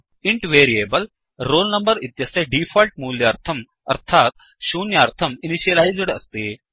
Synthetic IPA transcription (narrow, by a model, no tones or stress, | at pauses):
iɳʈʋeːɾieːbɐl | ɾoːlnɐmbɐɾit̪jɐseɖifʰɔlʈ̚muːljɐɐɾt̪ʰɐm | ɐ̰ɾt̪ʰaːt̪ | ʃuːnjɐɐɾt̪ʰɐminiɕiɐlajzɽɐst̪eː